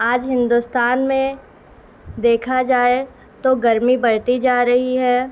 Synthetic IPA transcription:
aːd͡ʒɦɪ̃nd̪ust̪aːnmẽ | d̪eːkʰad͡ʒaːe | t̪oɡɐɾmibɐɽt̪id͡ʒaːɾɐɦiɦɛː

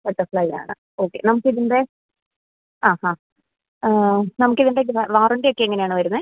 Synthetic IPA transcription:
pɐʈːɐfɭɐja̰ːɳɨ̰ | oːkːe̞̰nɐmukːiðiɳɖe | aːhãː | nɐmukːiðiɳɖeʋɐʋaːruɳɖejokːeeŋːɐnejaːɳɨʋɐɾunːɐ

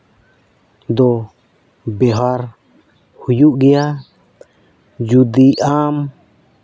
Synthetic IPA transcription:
d̪ɔ | bɛɦaɾ | hujuʔɡɛja | d͡ʒud̪iʔam

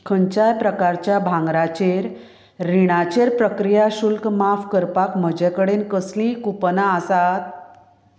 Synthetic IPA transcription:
kʰəɲt͡ɕajpɾəkaɾt͡ɕjabʱãŋɡɾat͡ɕeɾː | iɽ̃at͡ɕeɾpɾəkɾijaɕulkmafkəɾpakməd͡ʑɛkəɽenkəslĩkupnaəsat̪̚

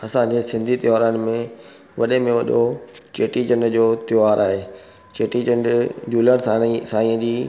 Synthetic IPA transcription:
ɐsãd͡ʑesɪ̃nd̪ʱit̪ɪjaːɾənɪ̆mẽ | ʋɐɗemẽʋɐɗot͡ɕeːʈid͡ʑɐ̃ɳɖd͡ʑoːt̪jaːɾʔaːɦeː | t͡ɕeːʈid͡ʑɐ̃nɖd͡ʑuːləɽ̃sasaːĩːəd͡ʑiː

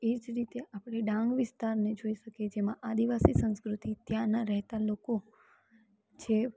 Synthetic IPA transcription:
ed͡ʒɾit̪eʔapɽ̃eɖãŋɡʋɪst̪aɾned͡ʒoiʃəked͡ʒemãʔad̪iʋasisə̃nskɾut̪it̪jãnaɾɛɦt̪aloko | t͡ʃʰe

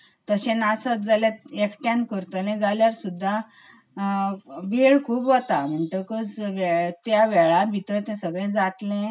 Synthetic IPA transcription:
t̪əɕẽnasət͡sd͡zalet̪ekʈjãnkəɾt̪əlẽd͡zaljaɾsud̪ʱːa | ʋʱiɭkʰuːpʋət̪am̤əɳʈəkət͡sʋɛt̪jaʋɛɭabʱit̪ət̪ɛ̃səɡɭẽd͡zat̪lẽ

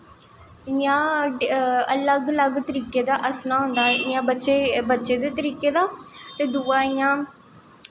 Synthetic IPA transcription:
jãː | ələɡləɡt̪əɾiːkeːd̪aːʔəsnaːɦʊ̃nd̪aːɛɪjãːbəːʃeːbətːʃeːd̪eːt̪əɾiːkeːd̪aːt̪eːd̪uːaːɪjãː

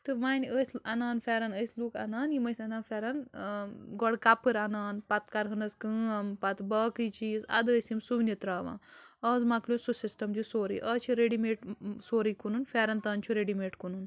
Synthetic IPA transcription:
t̪ɨmaːnəsʲɐnaːnfaɾanəsʲluːkɐ̰naːnjimɐsʲɐnaːnfʲaɾɐn | ɡɔɽkapɨɾɐnaːnpɐt̪kaɾɦɐnɐskəːmpɐt̪bɐːkɨt͡ʃiːzɐ̰d̪əːsimsuʋnit̪ɾaːʋã̰ːɐːzmaklʲosusisʈɐmd͡ʒisoːɾḭʔɐːt͡ʃʰiɾeɽimeːʈsoːɾiːkununfaːɾɐnt̪ɐːnt͡ʃʰuɾeɽimeːʈkunun

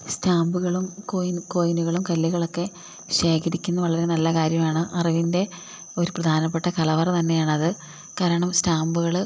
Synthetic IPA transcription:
staːmbuɣɐɭumkojnkojnuɣɐɭumkɐlːiɣɐɭo̞kːe̞ | ɕe̞ːkʰɐɾikʲːunːɐʋɐɭɐɾenɐlːɐkaːɾjɐmaːɳɨʔɐrɐʋinde̞ | o̞ɾuprɐd̪ʱaːnɐp̬ːeʈːɐkɐlɐʋɐrt̪ɐnːe̞jaːɳɐðɨ | kaːɾɐɳɐmstaːmbuɣɐɭ

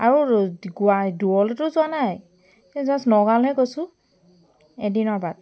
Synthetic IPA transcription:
aɹuɡuajduɔltʊzʊwanaj | ɛzasnɔɡalɦɛɡosʊ̃ | ɛdinɔɹbad̚

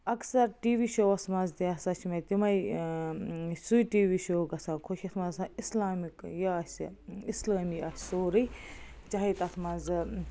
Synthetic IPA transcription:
ɐksɐɾʈiːʋiːʃoːɐsmɐnzt̪iɐsat͡ʃʰimɐt̪imɐj | sujʈiːʋiʃoːɡɐsãːkʰoʃʰʲɐt̪ʰmɐzsãislaːmikjasislaːmiɐsʲsoːɾɨt͡ʃɐɦit̪ɐt̪ʰmɐnzɨ

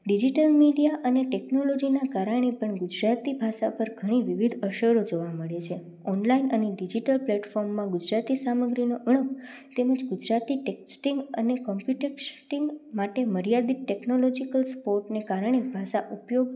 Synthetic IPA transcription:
ɖid͡ʒiʈəlmiɖijaʔəneʈeknolod͡ʒinakaɾəɳ̃epəɳɡud͡ʒɾat̪ibʱaʃapəɾɡʱəɽ̃iʋiʋid̪ʱəʃəɾod͡ʒoʋaməɭet͡ʃʰe | ɔnlainəneɖid͡ʒiʈəlplɛʈfɔɾmːãɡud͡ʒɾat̪isaməɡɾinoʔəɳ̃ək | t̪eməd͡ʒɡud͡ʒɾat̪iʈeksʈiŋɡə̰nekɔmpjuʈeksʈiŋɡmaʈeməɾjad̪iʈeknolɔd͡ʒikəlspoɾʈnekaɾəɳ̃ebʱaʃaʔupjoɡ̚

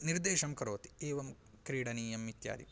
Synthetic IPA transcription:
niɾd̪eːʃɐmkɐɾoːt̪i̥eːʋɐm | kɾiːɽɐniːjɐmit̪ja̰ːd̪ḭ

